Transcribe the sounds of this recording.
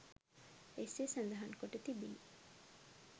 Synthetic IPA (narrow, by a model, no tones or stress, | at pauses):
esesɐnd̪ɐɦaŋkoʈet̪ibin